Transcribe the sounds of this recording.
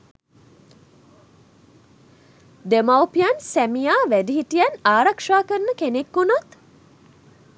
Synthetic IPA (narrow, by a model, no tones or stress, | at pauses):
d̪emawpijansæmijaːʋædiɦiʈijanaːɾakʂaːkəɾnəkenekːunat̪